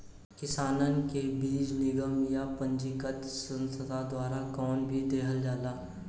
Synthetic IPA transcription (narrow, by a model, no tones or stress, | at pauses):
kɪsaːnənkebiːd͡ʒnɪɡəmjapə̃nd͡ʒɪkət̪sə̃nsʰəd̪ʱad̪waːɾakɔːnbʱid̪eːɦəld͡ʒaːlaː